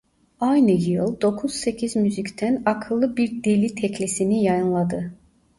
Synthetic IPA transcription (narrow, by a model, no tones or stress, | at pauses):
ajnɯjɯlˠd̪o̞kʰuz̥se̞cʰizmyzict̪ʰænakʰɯlˠːɯbiɾd̪elʲit̪ʰɛclʲisinijajɯnlˠad̪ɯ